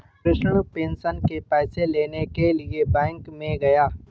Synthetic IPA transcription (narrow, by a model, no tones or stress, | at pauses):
pɾɪʃəɽ̃pẽːnsənkepɛːseleːnekeliebɛ̃ːŋkmẽɡɐjaː